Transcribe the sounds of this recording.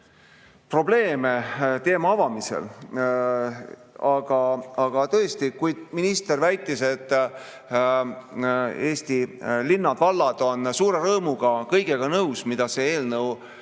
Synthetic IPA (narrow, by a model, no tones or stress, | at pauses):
pro̞ble̞ːme̞t̪e̞ːmɑɑvɑmise̞̰l | ɑɡ̥ɑɑɡ̥ɑt̪ɤ̞est̪ikujd̪̥̚minist̪e̞rvæjt̪ːˑise̞t̪ːˑ | e̞ːst̪ilinːɑd̪vɑlːɑd̪̥o̞nsuːɾe̞ɾɤːmuɡ̥ɑkɤjɡ̥eɡ̥ɑnɤwsmid̪̥ɑse̞eːlnɤw